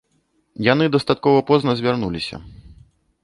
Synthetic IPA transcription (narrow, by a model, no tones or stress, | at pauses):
janɨd̪ɐst̪at̪̚kɔvɐpɔznɐzʲvʲarnulʲisʲɐ̰